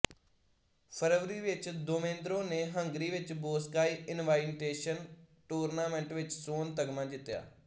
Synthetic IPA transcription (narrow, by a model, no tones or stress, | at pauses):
pʰəɾʋɾiːʋɪt͡ʃd̪omẽːnd̪ɾõːneːɦəŋɡɾiːʋɪt͡ʃboːskaːiːʔɪnʋaːɪnʈeːʃənʈuːɾnaːmɛ̃ɳʈʋɪt͡ʃsoːnt̪əɡmãːd͡ʒɪt̪ːja̰ː